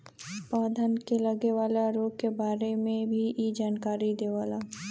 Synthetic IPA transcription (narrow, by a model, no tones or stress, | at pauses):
paːd̪ʱənkeləɡeʋaːlaɾoːɡ̚kebaːɾemẽbʱijed͡ʒaːnkaːɾid̪eːʋaːlaː